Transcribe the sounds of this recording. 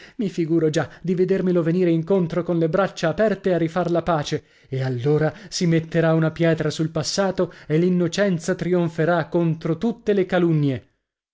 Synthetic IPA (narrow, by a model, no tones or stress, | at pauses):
mifiɡuːɾod͡ʒad̪ived̪ermiloveniːɾeiŋkont̪ɾokonlebɾat͡ʃːaːpɛrt̪earifarlapaːt͡ʃe | ealːoːɾasimet̪ːeɾaunapjɛːt̪ɾasulpasːaːt̪oelːinːot͡ʃɛnt̪sat̪ɾioɱfeɾakːont̪ɾot̪ut̪ːelekalunːje